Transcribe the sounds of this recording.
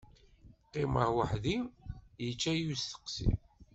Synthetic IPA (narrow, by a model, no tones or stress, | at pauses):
qːɪməɾwəħðimjət͡ʃːæjusθə̥qsḭm